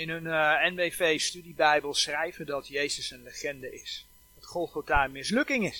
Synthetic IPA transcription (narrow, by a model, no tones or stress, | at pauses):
ɪnɦɵnɛnbevejstydibɛjbəlˠsrɛjvədɔtjejsəsənləχɛndəɪs | dɔtχɔlˠfotaːmɪslɵkɪŋɪs